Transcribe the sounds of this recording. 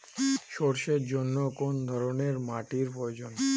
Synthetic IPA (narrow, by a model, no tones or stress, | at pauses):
ʃoɽʃed͡ʒɔnːɔkond̪ʱɔɾoneɾmaʈiɾpɔjod͡ʒɔn